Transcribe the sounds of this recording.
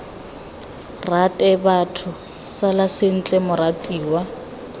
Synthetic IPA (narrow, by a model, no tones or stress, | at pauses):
ratʼɛbatʰʊ | salasɪn̩t͡ɬʼɛmʊɾatʼiːwa